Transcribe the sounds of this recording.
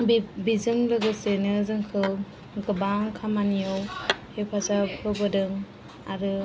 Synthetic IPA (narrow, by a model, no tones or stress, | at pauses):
bbizɯŋlɯɡɯsenɯzɯŋkʰɯ | ɡɯbaŋkʰamanijowhepʰasapʰɯbɯdɯŋ | aɾɯ